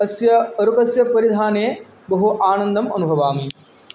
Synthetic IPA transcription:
ɐsjɐɐɾukɐsjɐpɐɾid̪ʱaːneː | bɐɦuʔaːnɐnd̪ɐmɐ̰nubʱɐʋaːmi

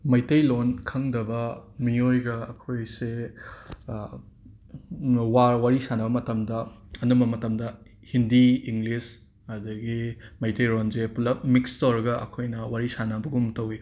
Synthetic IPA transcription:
mɐjtɐjlonkʰɐŋdɐbɐmiojɡɐɐkʰojse | wawaɾisanɐbɐmɐtɐmdɐ | ɐnumbɐmɐtɐmdɐ | hindiiŋɡlis | ɐdɐɡimɐjtɐjlonzepulɐmikstoɾɐɡɐʔɐ̰kʰojnɐwaɾisanɐbɐɡumtɐwi

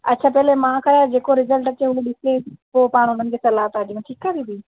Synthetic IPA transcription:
ɐ̰tːʃʰaːpɛɦlemãːkʰɐɾad͡ʑeːkoɾɪzəlʈət͡ɕeɦʊiɗɪsepoːpaːɽ̃ʊn̤ənɪ̆kʰeːsɐlaːɦt̪aːdijũʈʰiːkːaːʋ̪ĩːb̪iː

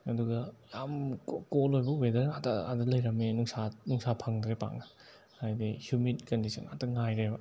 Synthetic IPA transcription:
ɐduɡɐjamkolojbɐubedɾeatɐa̰dɐlɐjɾɐmenuŋsanuŋsapʰɐŋdɾepa̰ŋɐ | hajdihjuminkɐndisʰɐ̰na̰tɐŋajɾebɐ

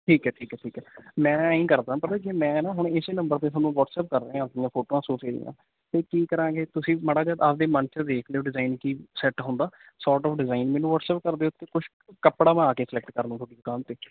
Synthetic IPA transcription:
ʈʰiːkɦɛːʈʰiːkɛːʈʰiːkɛːmɛ̃ːĩːkəɾd̪ãːpət̪ãːkimɛ̃ːnaːɦʊɳɪseːnəmbəɾt̪eːsaːnũːʋɔːʈsɛːp̚kəɾːãːɪjãːpʰoːʈoːãːsoːseːlḭjã̰ː | t̪eːkiːkəɾãːɡeːt̪ʊsĩːməɽaːd͡ʒaːd̪ad̪eːmənt͡ʃəd̪eːkʰd̪eːoːɖɪzaːiːnkiːsɛʈɦʊ̃ːnd̪aː | sɔːɾʈɔːfʰɖɪzaːinmɛ̃ːnũːʋɔːʈsɛːp̚kəɾd̪eːʊt̪ːeːkʊʃʰ | kəpɽaːmãːaːkeːsəlɛk̚ʈkəɾnũt̪ʰoːɽiːd̪ʊkãːnt̪eː

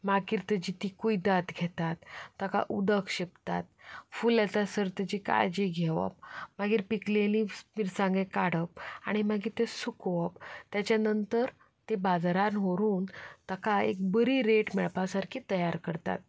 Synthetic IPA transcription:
makiɾt̪əd͡ʑit̪ʰikuid̪at̪ɡʱɛt̪at̪ːəka̰ʔud̪əkɕipt̪a̰t̪̚fuːlat̪asəɾt̪əd͡ʑika̰jd͡ʑiɡʱeʋə̰p̚maɡiːɾpiklelĩmiɾsãŋɡekaɽ̤əp̚a̰ɽ̃imaɡiːɾt̪esukʋəpt̪jat͡ɕjanənt̪əɾ | t̪ebad͡zɾanɦoɾuːnt̪əkaḛk̚bəɾiɾeʈmɛɭpasaɾkʰiːt̪əjaɾkəɾt̪a̰t̪̚

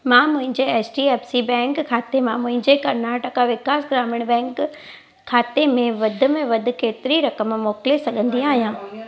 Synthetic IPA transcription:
mãːmʊ̃ɦɪ̃ɲd͡ʑeɛːsʈiɛːpsibɛ̃ːŋkʰːaːt̪emãmʊ̃ɦɪ̃ɲd͡ʑekɐɾnaːʈəkaʋɪkaːsɡɾaːmɪɽ̃bɛ̃ːŋkʰː | aːt̪emẽʋɐd̪ʱʊ̆mẽʋɐd̪ʱʊ̆keːt̪ɪɾiɾɐkəmmoːkɪlesɐɠʱə̃nd̪ĩaːɦijãː

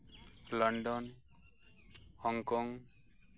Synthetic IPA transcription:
lɔɳɖɔn | hɔŋkɔŋ

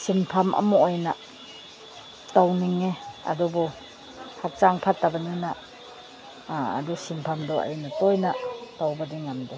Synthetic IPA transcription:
sinpʰamʔɐ̰muojnɐ | tawniŋeɐ̰dubu | hak̚t͡ʃaŋpʰatːabɐnina | ɐ̰dusinpʰamdɔʔa̰jnɐtojnɐtawbɐdiŋamde

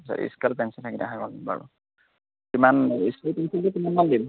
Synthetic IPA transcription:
sa̰ḭskɛlpɛnsɔntʰakita̰ɦabɔlba̰ɹṵ | kimaniskalpɛnsɔntukimanmandim

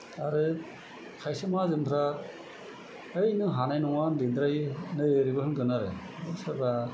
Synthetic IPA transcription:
aɾɯ | kʰajsɯmazɯmpʰɾa | ɯjnɯɦanajnɔŋandind̪ɾajnɯeɾibɯhɯɡɯnaɾe | bɯsabɾa

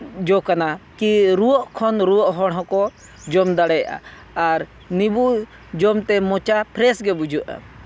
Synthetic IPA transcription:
d͡ʒɔkanakiɾuwɔʔkʰɔnɾuwɔʔɦɔɽɦɔ̃kɔ | d͡ʒɔmd̪aɽɛjaʔa̰ | aɾ | nibu | d͡ʒɔmt̪ɛmɔt͡ʃapʰɾɛsɡɛbud͡ʒuʔa̰

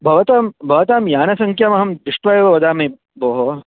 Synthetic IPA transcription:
bʱɐʋɐt̪aːmbʱɐʋɐt̪aːmjaːnɐsɐŋkʰjɐmɐɦɐmd̪iʂʈʋɐjɐʋɐʋɐd̪aːmeː | boːɦo

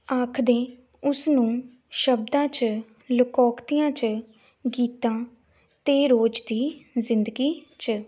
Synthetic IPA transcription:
aːkʰd̪ẽː | ʊsnũː | ʃəb̚d̪ãːt͡ʃ | ləkɔːkt̪ijãːt͡ʃ | ɡiːt̪ãː | t̪eːɾoːd͡ʒd̪iːzɪnd̪əɡiːt͡ʃə

